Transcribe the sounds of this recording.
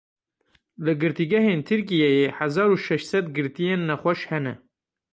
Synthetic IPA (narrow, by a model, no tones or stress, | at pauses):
lɨɡɨɾt̪iːɡɛɦeːnt̪ʰɨɾk̬ijɛjeːhæzɑːɾuːʃɛʃsɛd̪ɡɨɾt̪ijeːnːɛxʷɛʃhɛnɛ̰